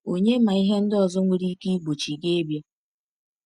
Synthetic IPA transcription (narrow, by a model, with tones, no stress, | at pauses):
o˨ɲe˦ma˨i˦ɦe˦n̩˦dɔ˨zɔ˦ŋʷi˨ɾi˦ki˦ɡ͡bo˨t͡ʃi˨ɡe˦bja˦